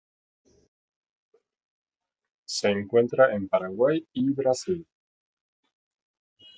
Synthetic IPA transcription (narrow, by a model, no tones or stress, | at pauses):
se̞ːŋkwe̞nt̪ɾaʔempaɾaɣwajiβɾasil